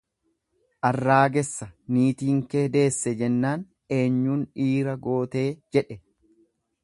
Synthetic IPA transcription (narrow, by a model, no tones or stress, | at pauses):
ʔɐrːaːɡɛsːɐniːt̪iːŋkeːd̪e̞ːsːɛd͡ʒɛnːaːn | e̞ːɲːuːnᶑiːɾɐɡo̞ːt̪e̞ːd͡ʒɛᶑɛ